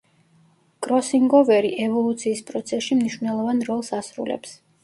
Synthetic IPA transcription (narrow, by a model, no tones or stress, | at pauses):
ɡ̥ʼɾɔsiŋɡɔvɛɾiʔɛvɔlˠut̪sʰiːspʼɾɔt̪sʰɛsʃimniʃwvnɛlˠɔvanɾɔlˠsasɾṵlɛ̰ps